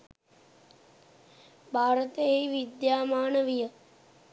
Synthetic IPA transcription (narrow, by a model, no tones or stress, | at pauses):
bʱaːɾət̪əejiʋid̪jaːmaːnəʋijə